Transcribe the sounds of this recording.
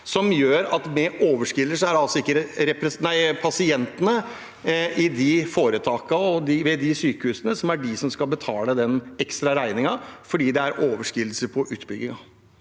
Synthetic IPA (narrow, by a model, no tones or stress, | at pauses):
sɔmjøːɾɑt̪mɛʔoːʋəʂkɪlːəʂɔæɾɖɛɑlsɔɪkːəɾɾɛpɾɛsnæɪpʰɑsɪɛnt̪ənə | ɪd̪ɪfoːɾət̪ʰɑːkɑɔd̪ɪʋɛd̪ɪsyːkəhʉːsənəsɔmæɖɪsɔmskɑlbət̪ʰɑːləd̪ɛnɛkst̪ɾɑɾæɪnɪŋɑfɔɖiːd̪ɛæɾʔoːʋəʂkɪlːsəɾpʰɔʔʉːt̪bʏɡːɪŋɑ